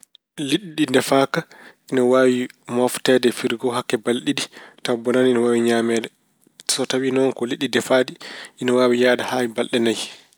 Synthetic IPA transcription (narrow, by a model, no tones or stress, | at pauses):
liɗiɗindɛfaːkaʔinɔwaːwimaftɛdɛfiɾɡɔɦakːɛbalɗiditawbɔnaninɔwawiɲaːmɛːdɛ | sɔtawinɔnkɔliɗːidɛfaːdiʔinɔwaːwijaːdahaːwibalɗɛnaj